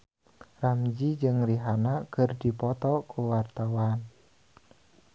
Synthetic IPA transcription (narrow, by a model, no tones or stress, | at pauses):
ramd͡ʒid͡ʒɨŋriɦanakɨrdipɔt̪ɔkuwart̪awan